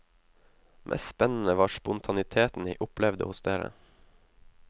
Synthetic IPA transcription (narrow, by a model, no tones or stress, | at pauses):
mʔɛ̰sspɛnn̩əʋɑːʃpʊnt̪ʰɑnɪt̪ʰeːt̪n̩ḭːʔʊplɛʋd̪ə̰hʊsd̪eːɾə̰